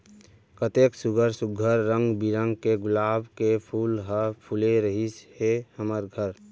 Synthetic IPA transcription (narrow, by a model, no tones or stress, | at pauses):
kət̪eksuɡʱəɾsʊɡʱəɾːə̃ŋɡbiɾəŋɡkeɡʊlaːbkepʰuːlɦəpʰuleɾəɦishehəməɾɡʱəɾ